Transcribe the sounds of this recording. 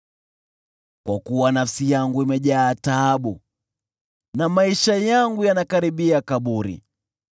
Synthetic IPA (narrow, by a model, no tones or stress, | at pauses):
kwakuwanafsijaŋɡuimɛʄaːtaːɓu | namaiʃajaŋɡujanakaɾiɓiakaɓuɾḭ